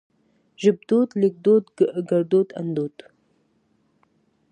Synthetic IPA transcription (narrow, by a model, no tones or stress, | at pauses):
ʒɪb̚d̪ot̪lɪk̚d̪ot̪ɡɡaɾd̪ot̪a̰nd̪ot̪